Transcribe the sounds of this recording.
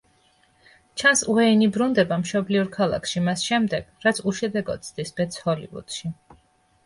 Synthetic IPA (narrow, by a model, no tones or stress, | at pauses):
t͡ʃʰansuɛinibɾund̪ɛbamʃɔbliɔɾkʰalˠa̰kʰʃimasʃɛmd̪ɛɡ̥ɾat̪sʰuʃɛd̪ɛɡɔ̰d̪̚sʰd̪isb̥ɛt̪sʰhɔlḭvṵd̪̥ʃi